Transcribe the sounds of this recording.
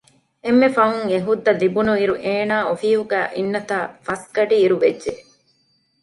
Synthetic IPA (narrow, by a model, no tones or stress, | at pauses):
emːefɐuŋeɦud̪ːɐd̪ibunuiɾuʔeːnaːofiːɦuɡæːʔinːɐt̪aːfɐsɡɐɖiːɾuʋedʒe